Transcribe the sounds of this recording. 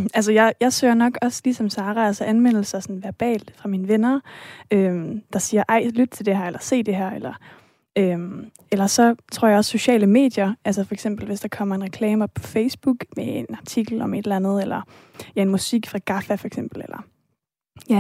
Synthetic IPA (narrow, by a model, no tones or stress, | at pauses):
æls̬əjɑ̈ɪjɑ̈ɪsø̰ːɐnɒ̽ɡ̥ɒ̽slisɒ̽msɑ̈ːʁɑælsɐʔænʋen̰l̩sɐsɒ̽nʋæɐb̥ɛ̰ːld̥fʁɑ̈minəʋenɐømd̥ɑ̈siːɐʔɑ̈ɪ̰lyd̥̚t͡sʰeld̥e̝hæɐ̰elɐse̝̰ːd̥e̝ɦæɐ̰elɐ | øm | elɐsɒ̽t͡sʰʁo̝ɐ̰jɑ̈ɒ̽sːo̝ɕɛ̰ːləme̝̰ːd̥jɐælsɐfɒ̽eɡsem̰b̥l̩ʋe̝sd̥ɑ̈kʰɒ̽m̰ɐe̝nʁɛkʰlɛːmɐpʰɒ̽feɪsb̥uɡ̥meenɑ̈t͡sʰiɡ̥l̩ɒ̽me̝d̥lænð̞̩ˠelɐ | jæe̝nmusiɡ̥fʁɑ̈ɡ̥ɑ̈fæfɒ̽eɡ̥sem̰b̥l̩elʔɐ | jæ